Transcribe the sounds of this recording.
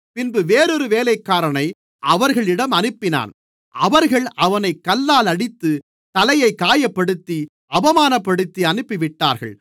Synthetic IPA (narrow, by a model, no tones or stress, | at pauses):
pɪnbɯʋeːɾɔɾɯʋeːlɐɪkːaːɾɐɳɐɪ | ʔɐʋɐɾɣɐɭɪɽɐmɐnɯpːɪna̰ːn | ɐʋɐɾɣɐɭɐʋɐnɐɪkːɐlːaːlɐɽɪt̪ːɯ | t̪ɐlɐjɐɪkːaːjɐpːɐɽɯt̪ːi | ɐʋɐmaːnɐpːɐɽɯt̪ːiɐnɯpːɪʋɪʈːa̰ːɾɣɐ̰ɭ